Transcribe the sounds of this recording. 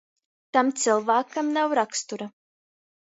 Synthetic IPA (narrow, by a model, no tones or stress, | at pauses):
t̪amt̪sɨlˠvaːkamnawɾakst̪uɾa